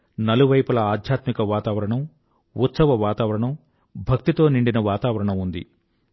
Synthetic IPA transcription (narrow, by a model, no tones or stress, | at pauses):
nɐluʋɐjpulɐaːd̪ʱjaːt̪mikɐʋaːt̪aːʋɐɾɐɳɐm | ut̪sɐʋɐʋaːt̪aːʋɐɾɐɳɐm | bʱɐk̚t̪it̪o̞ːniɳɖinɐʋaːt̪aːʋɐɾɐɳɐmund̪ḭ